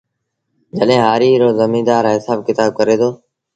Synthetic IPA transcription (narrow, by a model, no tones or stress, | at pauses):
d͡ʒəɗɦẽːɦaːɾiːɾoːzəmĩːd̪aːɾɦɪsaːb̚kɪt̪aːb̚kəɾeːt̪ʰoː